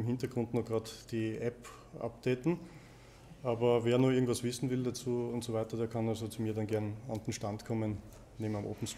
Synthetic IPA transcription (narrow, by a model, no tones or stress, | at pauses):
ɪmɦɪntɐɡ̥ʁʊ̃ndnɔχɡ̥ʁaːdd̥iʔɛp | ʔa̰p̚d̥eːtn̩ | ʔaːbɐveːɐnuːɪɐɡŋ̩tv̥asv̥ɪsn̩vɪldat͡suːʊntsovæɪtɐdeːɐkʰanalzot͡sumiːɐdanɡɛɐnaʊd̥enʃtantkʰɔmən | neːmnamʔo̰ːpn̩s